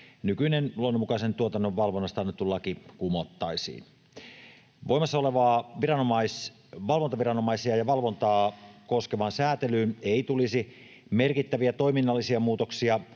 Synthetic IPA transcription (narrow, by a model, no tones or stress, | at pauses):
nykynenluonːomːukɑisent̪uot̪ɑnːoʋʋɑlʋonːɑst̪ɑnːyt̪ːulːɑkikumot̪ːɑisḭːn | ʋoimɑsːɑoleʋɑːʋirɑnomɑis | ʋɑlʋont̪ɑʋirɑnomɑisiɑjɑʋɑlʋo̞nt̪ɑːkoskeʋɑːnsæːt̪elyːneit̪ulisi | merkit̪ːæʋiæt̪o̞iminːɑlːisiɑmuːt̪oksiɑ